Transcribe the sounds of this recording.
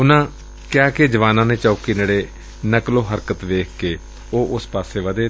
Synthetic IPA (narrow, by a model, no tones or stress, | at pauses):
ʊnãː | kjaːked͡ʒəʋaːnãːnẽːt͡ʃəukinəɽeː | nəkloːɦəɾkət̪ʋeːkʰkeː | oːʔʊspaːseːʋəd̪eː